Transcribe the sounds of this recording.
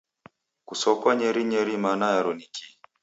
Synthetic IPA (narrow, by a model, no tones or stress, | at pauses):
kusɔkwaɲɛɾiɲɛɾimanajaɾɔnikʰi